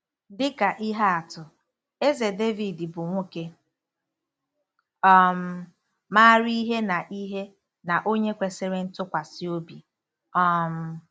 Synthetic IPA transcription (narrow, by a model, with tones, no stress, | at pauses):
dɪ˦ka˨ʔi˦ɦa˦a˨tʊ˨ | e˦ze˨de˦vi˨dɪ˨bʊ˨ŋʷo˦ke˦ | ɔ˦m̩˦ | ma˦ɾi˦ɦe˦na˨ʔi˦ɦe˦ | na˨ʔo˦ɲe˦kʷe˨sɪ˦ɾe˦n̩˦tʊ˦kʷa˨sɪ˦o˦bi˨ | ɔ˦m̩˦